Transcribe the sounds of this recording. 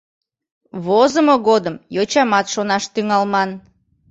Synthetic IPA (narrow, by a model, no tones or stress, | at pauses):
βozəmoɣod̪əmjot͡ɕɑmɑt̪ʃonɑʃt̪yŋɑlmɑn